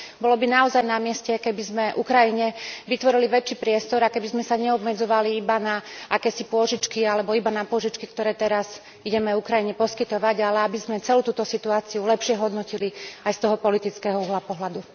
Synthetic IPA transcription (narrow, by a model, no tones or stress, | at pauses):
bɔlɔbinaɔzajnamɪɛscɛkɛbizmɛʔukɾajiɲɛʋit̪ʋɔɾiliʋɛt͡ʃːiːpɾɪɛst̪ɔɾakɛbizmɛsaɲɛɔbmɛd͡zɔʋaliibanaakɛːsipʊɔʒit͡ʃkialɛbɔibanapʊɔʒit͡ʃkikt̪ɔɾɛːt̪ɛɾaz | iɟɛmɛukɾajiɲɛpɔskit̪ɔʋaɟalɛabizmɛt͡sɛluːt̪uːt̪ɔsit̪uaːt͡siulɛpʃɪɛɦɔd̪nɔciliajst̪ɔɦɔpɔlit̪it͡skɛɦɔuɦlapɔɦlad̪u